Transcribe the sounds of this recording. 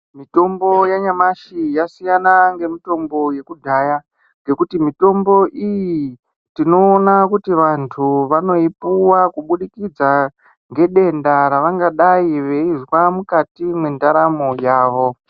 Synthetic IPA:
mito̞mbo̞jaɲamaʃijasijanaŋɡe̞mito̞mbo̞je̞kudʱaːja | ŋɡe̞kutimito̞mbo̞ʔiji | tino̞ːnakutiʋantʰuʋano̞ipuwakuɓuɗikid͡za | ŋɡe̞ɗe̞ndaɾaʋaŋɡaɗaiʋe̞izwamukatimwendaɾamojaːʋo̞

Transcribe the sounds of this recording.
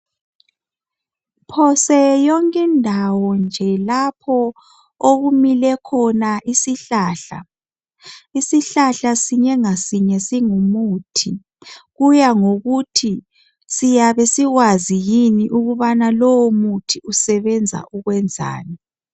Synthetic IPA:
pʰɔsɛjɔŋkʼɛndʱawɔnd͡ʒʱɛlapʰɔ | oɣumilɛkʰɔnaʔisiɬaːɬa̰ | isiɬaɬasiɲɛŋasiɲɛsiŋumuːtʰi | ɣujaŋoɣutʰi | sijaβesiɣwazijiniʔuɣuβanalɔwomutʰiusɛβɛnd͡zʱa̰ʔuɣwɛnd͡zʱa̰ːni

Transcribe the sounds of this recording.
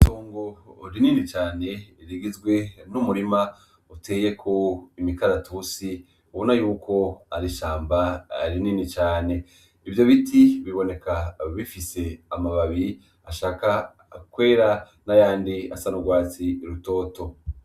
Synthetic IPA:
to̞ːŋɡo̞ɾininit͡ʃaːne̞ɾiɡizɡwe̞numuɾima | uteːje̞kʰo̞imikaɾatʰusi | uβonajuːkʰo̞aɾiʃaːmbaɾininit͡ʃaːne̞ | ivjo̞βitʰiβiβo̞ne̞kaβifise̞amaβaβi | aʃaːka | kwe̞ːɾa | najaːndia̰sanuɡwaːt͡siɾuto̞ːto̞

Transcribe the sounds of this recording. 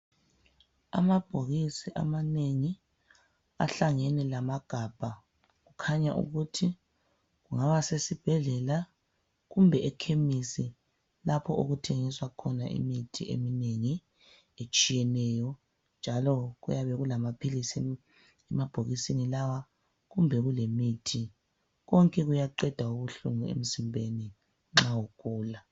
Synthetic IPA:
a̰mab̥ʱoɣisiʔa̰maneŋi | a̰ɬaŋɛnɛlamaɡ̥ʱab̥ʱa | ɣukʰaɲaʔṵɣutʰi | ɣuŋaβasesib̥ʱɛɮɛla | ɣumbʱɛɛkʰemisi | lapʰɔʔoɣutʰeŋiswakʰɔnaʔḭmitʰiʔḛmineŋi | et͡ʃʼijɛnɛjɔ | nd͡ʒʱalɔɣṵjaβɛɣulamapʰilis | ɛmab̥ʱoɣisinilawa | ɣumbʱɛɣulemitʰi | ɣɔŋkʼɛɣujaǃɛd̥ʱauβuɬuŋuḛm̩zimbʱeni | ŋ͡ǁawokʼuːla

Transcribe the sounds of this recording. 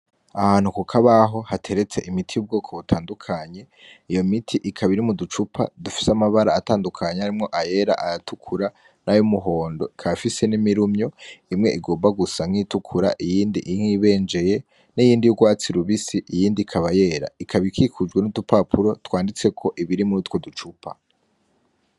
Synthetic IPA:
ahanukukʰaβaɦo̞hatʰe̞ɾe̞t͡se̞ʔimitʰijub̚ɡo̞ːkʰo̞βutʰaːndukʰaɲe̞ | ijo̞mitʰiʔikʰaβiɾimudut͡ʃupʰa̰dufi̥samaβaɾaːtaːndukʰaɲeaɾimŋo̞ʔaje̞ɾa̰ʔajatʰukʰuɾa | nʔajumuɦo̞ːndo̞ikʰaβafise̞nimiɾumɲo̞imŋe̞̰ʔiɡo̞ːmbaɡusaŋ̥iːtukʰuɾa̰ʔijiːndiʔiŋiːβe̞ːnd͡ʒe̞je̞ | nijiːndijuɡwaːt͡siɾuβisiijiːndikʰaβaje̞ːɾa̰ikʰaβikʰikʰud͡ʒɡwe̞nudupapʰuɾo̞twaːndit͡se̞kʰo̞ʔiβiɾimuɾitwo̞dut͡ʃupʰa̰

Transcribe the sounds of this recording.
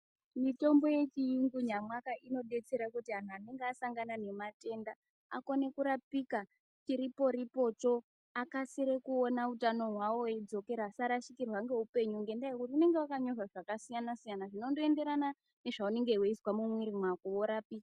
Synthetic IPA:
mito̞mbo̞je̞t͡ʃiiŋɡuɲamwakaʔino̞ɗe̞t͡se̞ɾakutian̤uane̞ŋɡeasaŋɡanane̞mate̞nda | a̰ko̞ne̞kuɾapika | t͡ʃiɾipo̞ɾipo̞t͡ʃo̞ | akasiɾe̞kuonautano̞ɦwawo̞ed͡zo̞ke̞ɾasaɾaʃikirwaŋɡe̞ɦupe̞ɲuŋɡendajekutiune̞ŋɡewakaɲo̞ʐaʐakasijanasijanaʐino̞ndoe̞nde̞ɾana | ne̞ʐaune̞ŋɡe̞weiswamumwiɾimwakooɾaːpika

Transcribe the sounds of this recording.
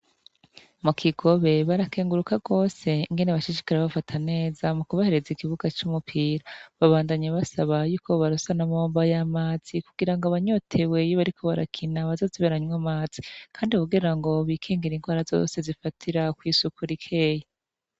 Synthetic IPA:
mukʰiɡo̞βe̞βaɾakeːŋɡuɾukaɡo̞ːse̞iŋɡe̞neβaʃiʃi̥kaɾeβafatʰane̞ːzamukuβahe̞ɾe̞zikiβuɡat͡ʃumupʰiːɾaβaβaːndaɲaβasaβajuːkʰo̞βaɾusanamoːmbajamaːz̥ikuɡiɾaŋɡaβaɲo̞tʰe̞we̞joβaɾikʰo̞βaɾa̰kʰinaβazoziβeɾaɲwamaːz̥i̥kʰaːndikuɡiɾaŋɡo̞βiːkʰiːŋɡiɾinɡwaːɾazo̞̰ːse̞zifatʰiɾakwiːsukuɾikʰe̞ːje

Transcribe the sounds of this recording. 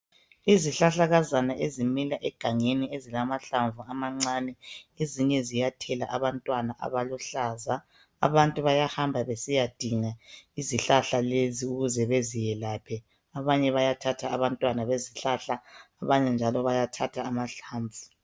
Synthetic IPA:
iziɬaɬaɣazanaʔezimilaʔɛɡ̥ʱaŋeniezilamaɬaɱvuamaŋ͡ǀanɛeziɲɛzijatʰɛlaʔaβantʼwanaʔa̰βaluɬaːza | a̰βantʼuβajahambʱaβesijad̥ʱiŋaiziɬaɬaleziuɣuzɛβezijɛlaːpʰɛ | aβaɲɛβajatʰatʰaːβantʼwanaβeziɬaɬaː | βaɲɛnd͡ʒʱalɔβajatʰatʰaːmaɬaːɱvʱu

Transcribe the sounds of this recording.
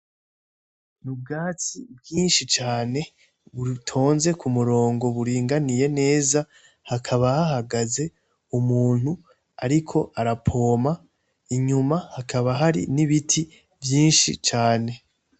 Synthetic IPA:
nub̚ɡaːt͡sibjiːnʃit͡ʃaːne̞ | βutʰo̞ːnze̞kʰumuɾo̞ːŋɡo̞βuɾiːŋɡanije̞ne̞ːza | hakʰaβahahaɡaze̞ | umuːn̥hu | aɾikʰo̞ʔaɾapʰo̞ːma | iɲumahakʰaβaɦaɾḭniβitʰi | vjiːnʃḭt͡ʃaːne̞

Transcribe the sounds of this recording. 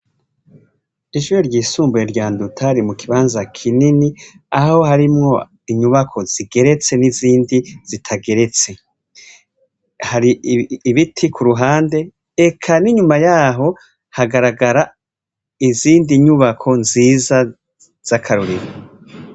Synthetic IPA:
iʒujoɾɟiːsuːmbujeɾɟaːndutʰaɾimukʰiβaːnzakʰinini | aho̞haɾimŋo̞ | iɲuβakʰo̞z̥iɡe̞ɾe̞t͡se̞niziːndiz̥itʰaɡe̞ɾe̞t͡se̞ | haɾiβitʰikʰuɾuɦaːnde̞ | ekʰaniɲumajaːɦo̞ | haɡaɾaɡaɾa | iziːndiɲuβakʰo̞nziːza | z̥akʰaɾuɾiɾo

